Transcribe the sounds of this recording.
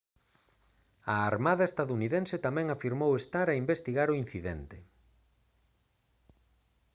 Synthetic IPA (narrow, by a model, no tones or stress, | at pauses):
aaɾmaðɐest̪aðuniðenset̪amɛ̃ŋafiɾmowest̪aɾaimbest̪iɣaɾʊin̟θiðɛnt̪ɪ